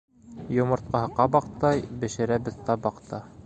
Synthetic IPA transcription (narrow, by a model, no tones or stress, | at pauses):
jŏmɤ̆ɾt̪̚qɑɦɤqɑbɑqt̪ɑjbɘ̆ʃɘ̆ɾæbɘ̆ðt̪ɑbɑqt̪ʰɑ